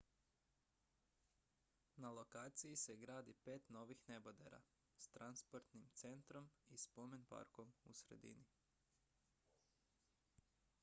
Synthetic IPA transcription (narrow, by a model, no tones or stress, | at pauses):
nalˠo̞kaːt̪sijise̞ɡɾaːd̪ipe̞ːt̪no̞ːʋixne̞bod̪ḛɾa̰ | st̪ɾanspo̞ɾt̪nimt̪se̞nt̪ɾo̞mispo̞menpa̰ɾko̞mṵsɾe̞̰d̪ḭni